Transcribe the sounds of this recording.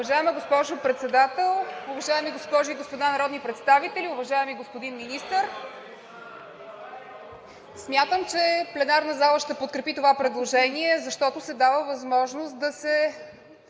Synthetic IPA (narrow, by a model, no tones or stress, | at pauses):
ʊvɐʒaɛməɡospɔʒʊpɾɛt̪sɛd̪at̪ɛlˠʊvɐʒaɛmiɡospɔʒʊiɡospod̪anɐɾɔd̪nipɾɛt̪st̪avit̪ɛlʲiʊvɐʒaɛmiɡospod̪inminist̪əɾ | smʲjat̪əmt͡ʃɛplɛnaɾnəzalˠəʃt̪ɛpot̪̚kɾɛpit̪ovapɾɛd̪lˠoʒɛniɛzɐʃt̪ɔt̪ʊsɛd̪avəvɐzmɔʒnost̪̚d̪ɐsɛ